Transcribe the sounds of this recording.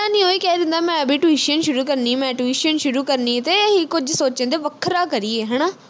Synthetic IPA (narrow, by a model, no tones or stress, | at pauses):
ãːnĩːoːiːkɛːd̪ɪnd̪aːmɛ̃ːəbiːʈuiːʃənʃʊɾuːkəɾnĩːmɛ̃ːʈuiːʃənʃʊɾuːkəɾniːt̪eːɦikʊd͡ʒsoːt͡ʃə̃ːd̪eːʋəkʰːɾaːkəɾiːeːɦɛːnaː